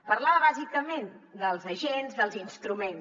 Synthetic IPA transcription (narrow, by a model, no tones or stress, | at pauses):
pəɾlaβəβazikəmend̪əlˠzəʒenzd̪əlˠzinst̪ɾumen